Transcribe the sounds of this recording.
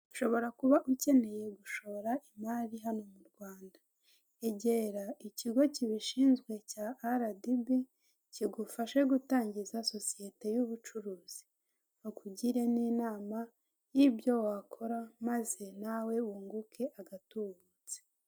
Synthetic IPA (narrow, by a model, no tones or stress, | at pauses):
u̥ʃo̞βo̞ɾakuβaʔuce̞ne̞je̞ɡuʃo̞oɾaʔimaɾiɦano̞muɾɡwaːndḁ | e̞ɟeɾaiciɡo̞ciβiʃiːnzɡwe̞caʔːɾadibe | ciɡufaʃe̞ɡutaːɲɟizaso̞sije̞te̞juβut͡ʃuɾuːz̥i̥ | wakuɟiɾe̞niːnaːma | jibjo̞wakʰo̞ɾamaze̞nawe̞uːŋɡukʰe̞ʔaɡatuβut͡se̥